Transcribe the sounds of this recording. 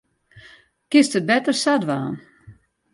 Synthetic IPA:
kɪstət̚bɛtərsadʋaːn

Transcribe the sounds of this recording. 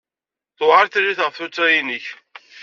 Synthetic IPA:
θʊʁɑɾθlːiθʁəfθut͡sːæjinəç

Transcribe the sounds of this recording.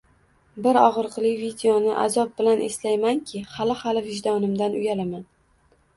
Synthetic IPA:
bɪɾɒʁɨɾqʰɨlˠɪjvid̪ejonɪʔa̰zɒp̚bɪlanʔeslajmaŋkʲʰɪhalɪhalɪvɪʒd̪ɒnɪmd̪anʊjalaman

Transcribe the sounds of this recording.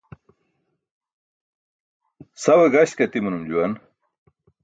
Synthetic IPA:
sɐweɡɐɕkɐt̪imunumd͡ʑuwɐn

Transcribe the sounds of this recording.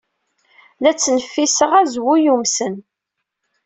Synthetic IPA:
læt͡sːnəfːisəʁæzwujumsən

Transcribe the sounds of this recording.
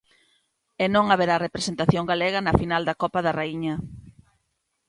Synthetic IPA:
enõŋaβeɾarepɾesent̪aθjoŋɡaleɣ̞ɐnɐfinald̪ɐkɔpɐðɐraiɲɐ

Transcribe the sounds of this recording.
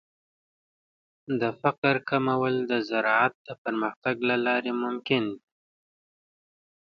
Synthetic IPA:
d̪əfaqɾkʰamawəld̪əzaɾɑat̪̚d̪əpəɾməxt̪aɡlalɑɾemʊmkɪnd̪i

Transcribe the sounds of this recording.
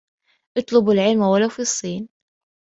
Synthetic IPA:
ʔɨt̪ˤlʊbɪlʕɪlmawalawfisˤːiːn

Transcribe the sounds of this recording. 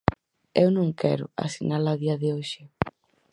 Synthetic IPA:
ewnõŋkʰɛ̰ɾʊ̰a̰sinalaðiɐðɪoʃɪ

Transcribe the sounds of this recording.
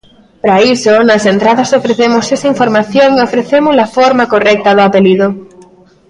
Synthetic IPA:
pɾaisonasent̪ɾaðasofɾeθemosesaiɱfoɾmaθjoŋofɾeθemʊzlafoɾmakorɛk̚t̪aðoapeliðo

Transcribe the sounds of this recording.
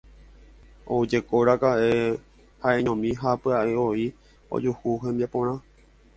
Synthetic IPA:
o̰d͡ʒe̞koɾakaʔe̞ | haẽɲõmĩɦapɨaʔeoi | o̰d͡ʒuhuɦẽ̞mbiapõ̞ɾ̃ã

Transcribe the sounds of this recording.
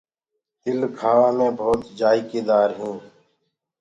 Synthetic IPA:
ɪlkʰaːʋãːmẽːbʱoːt̪d͡ʒaːiːkeːd̪aːɾɦĩː

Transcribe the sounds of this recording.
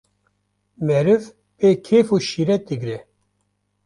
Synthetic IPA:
mɛɾɨv | peːkʰeːfuːʃiɾɛd̪ɨɡɾɛ

